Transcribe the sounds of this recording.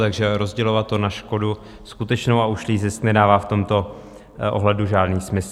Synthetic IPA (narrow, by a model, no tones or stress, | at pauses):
t̪aɡʒɛɾo̞zɟɛlo̞vat̪ːo̞naʃko̞du | skut̪ɛt͡ʃnowauʃliːzɪsknɛdaːvaːft̪o̞mt̪o̞ | ʔo̰ɦlɛduʒaːdniːsmɪs